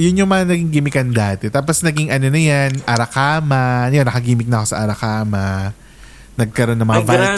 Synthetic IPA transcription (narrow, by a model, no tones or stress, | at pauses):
jʊnjoŋmɐŋanɐɡɪŋɡɪmɪkɐnd̪aːt̪ɛt̪aːp̬o̞snɐɡɪŋʔɐno̞nɐjanʔɐɾɐkaːmɐnɐjnːɐkɐɡiːmɪk̚nɐʔko̞sɐʔɐɾɐkaːmɐ | nɐɡ̚kɐɾo̞nːɐŋmɐŋava